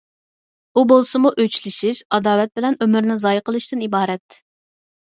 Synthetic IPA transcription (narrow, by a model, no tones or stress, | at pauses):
ubolˠsɨmuʔøt͡ʃlɪsɪz̥ɑd̪ɑːwɛt̪̚bɪlɛnømyɾnɪzɑjqʰəlˠɨʃt̪ɨnibɑːɾɛt̪